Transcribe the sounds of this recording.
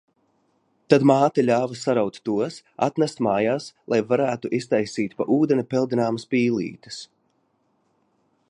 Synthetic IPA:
t̪ad̪maːt̪ilʲaːvɨsaɾawt̪ːuɔsa̰t̪næst̪maːjaːslˠʔajvaɾæːt̪uʔist̪ajsiːt̪paʔuːd̪ɛnʲipɛlˠd̪inaːmaspiːlˠḭːt̪ɨ̥s

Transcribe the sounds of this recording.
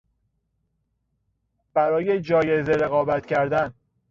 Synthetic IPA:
b̥æɾɒːjed͡ʒɒːje̞zeɾe̞ɣɒːbæt̪ʰcʰæɾd̪æn

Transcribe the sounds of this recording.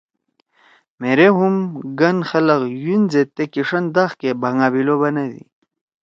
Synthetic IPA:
meɾeɦumɡɐnxɐlɐɣjunzet̪ekiʂɐnd̪axkebaŋɡaːbilobɐnɐd̪ḭ

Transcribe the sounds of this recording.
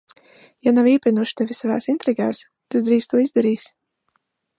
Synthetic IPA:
janaviɛpʲinuɔʃt̪ɛvʲisavaːsint̪ɾiɡaːs | t̪ad̪d̪ɾiːst̪uɔizd̪aɾiːsʲ

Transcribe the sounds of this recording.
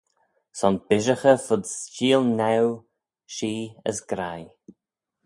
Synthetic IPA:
sɔnbɪʒəxəfʊd̪st͡ʃiːlnɛw | ʃiːə̰sɡ̥ɾaj

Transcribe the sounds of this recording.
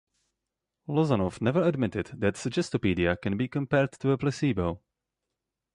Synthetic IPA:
lɔzanɔfnɛvə˞ədmɪtɪdðætsɨd͡ʒɛstəpiːdiakɛ̃nbiːkɔ̃mpɛɹdtʰuəplɛsibəʊ

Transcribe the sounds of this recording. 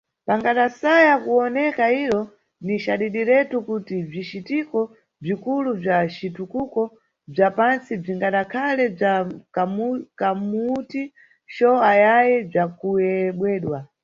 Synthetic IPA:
paŋɡaɗasajakuɔnɛkaiɾɔ | niʃaɗiɗiɾɛtukutib͡ʐit͡ʃitikɔ | b͡ʐikulub͡ʐat͡ʃitukukɔ | b͡ʐapansib͡ʐiŋɡaɗakʰalɛakamukamuti | ʃɔajajɛb͡ʐakujɛɓwɛːɗwa

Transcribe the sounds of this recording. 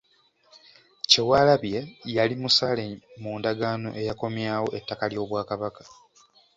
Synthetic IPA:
cewaːlaβje̞jalimusalemuːndaɡaːno̞̰ʔe̞jako̞mjaːwo̞ʔe̞tːakaljo̞ːβwaːkaβakḁ

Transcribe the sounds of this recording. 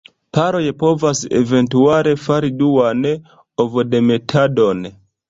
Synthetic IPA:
paɾojepovasḛventuaɾefaɾiduwane | ovodemetʰadon

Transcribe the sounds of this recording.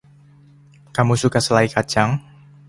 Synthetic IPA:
kamusukasəlaikḁd͡ʒaŋ

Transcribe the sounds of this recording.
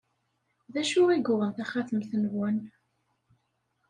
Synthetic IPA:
ðæʃʊʁiɡʊʁənθæχaθəmθnvːən

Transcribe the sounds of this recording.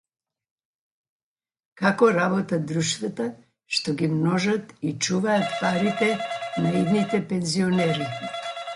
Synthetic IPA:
kakɔɾabɔt̪ad̪ɾuʃt̪vat̪a | ʃt̪ɔɡimnɔʒat̪it͡ʃuvaːt̪paɾit̪ɛnaid̪nit̪ɛpɛnziɔnɛɾi

